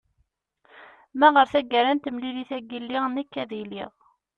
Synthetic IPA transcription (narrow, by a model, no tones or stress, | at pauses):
mæʁəɾθæɡəɾænt̪əmliliθæɡilːiʁnikːæðiliʁ